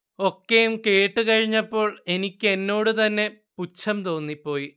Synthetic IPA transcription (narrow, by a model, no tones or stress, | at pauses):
o̞kːejumke̞ːʈːɨkɐɻiɲːɐpːo̞ːɭe̞nikʲːɨe̞nːo̞ːɽɨt̪ɐnːe̞put͡ɕʰːɐmt̪o̞ːnːipːo̞ːji